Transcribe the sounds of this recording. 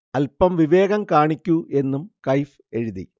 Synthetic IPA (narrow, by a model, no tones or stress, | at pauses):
ɐlpɐmʋiʋe̞ːɣɐmkaːɳikʲːuʔe̞nːumkɐjf | e̞ɻuðḭ